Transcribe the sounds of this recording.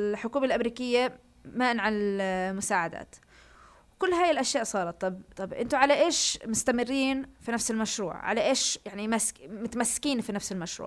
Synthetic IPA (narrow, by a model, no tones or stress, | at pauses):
ħʊkuːmalʔamɾiːkɪjːa | maːʔnʕanɪlmʊsaːʕad̪a̰ːt̪ | wkʊlːɦaːjɪlʔaʃjaːʔsˤɑːɾˤɑt̪ˤːɑbt̪ˤːɑbʔɪnt̪ʊʕalaʔeːʃmʊst̪amɪrːiːnfinafsɪlmaʃɾṵːʕʕa̰laʔeːʃjaʕnimasmʊt̪amasːɪ̥kiːnfinafsɪlmaʃɾṵːʕ